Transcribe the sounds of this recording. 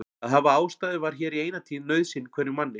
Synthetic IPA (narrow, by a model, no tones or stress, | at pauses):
aðɦavaaːwst̪aːðʏvaɾ̥çɛːɾieːjnat̪ʰiːnːœɥðsɪnːkʰvɛːɾɪmanːɪ